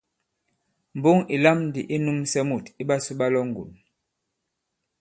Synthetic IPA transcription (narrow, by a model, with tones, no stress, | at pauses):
m̩˨bu˦ŋi˨la˦mn˦di˨ʔi˦nu˦msɛ˦mu˨ti˦ɓa˦su˦ɓa˦lɔ˦ŋ˨ɡṵ˨n